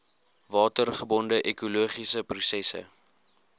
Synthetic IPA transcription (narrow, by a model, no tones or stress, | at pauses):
vɑːtərχəbɔndəʔɛkuluəχisəprusɛsə̰